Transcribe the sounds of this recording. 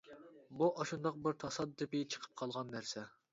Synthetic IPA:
buʔɑʃund̪ɑq̚bɪɾt̪ʰɑsɑd̪ːɨpɪt͡ʃʰə̥qʰə̥p̚qʰɑlˠʁɑnːæɾsɛ

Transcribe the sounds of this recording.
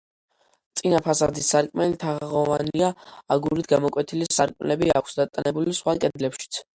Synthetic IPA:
t̪sʼinapʰasad̪isːaɾkʼmɛlit̪ʰaʁʁɔvaniaaɡuɾit̪ʰɡamɔkʼwɛt̪ʰilisaɾkʼmlɛbia̰kʰsd̪at̪ʼanɛbulisχwakʼɛd̪lɛpʃi̥t̪sʰ

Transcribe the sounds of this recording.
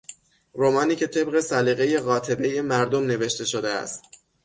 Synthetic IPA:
ɾomɒːniːcʰet̪ʰe̞bɣe̞sæliːɣe̞je̞ɣɒːt̪ʰe̞be̞je̞mæɾd̪omne̞ve̞ʃt̪e̞ʃo̞d̪eæ̰st̪̚

